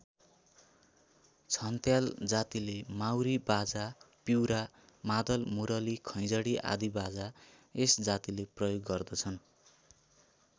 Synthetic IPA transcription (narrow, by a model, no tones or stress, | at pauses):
t͡sʰʌnt̪jald͡zat̪ilemawɾibad͡za | piwɾa | mad̪ʌlmuɾʌlikʰʌj̃d͡zʌɽiʔa̰d̪ibad͡za | esd͡zat̪ileprʌjoɡːʌrd̪ʌt͡sʰʌn